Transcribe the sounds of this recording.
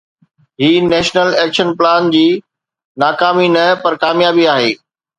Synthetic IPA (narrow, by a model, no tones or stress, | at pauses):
ɦiːnɛːʃnəlɛːkʃənplaːnd͡ʑiː | naːkaːminɐpɐɾkaːmjaːbiaːɦeː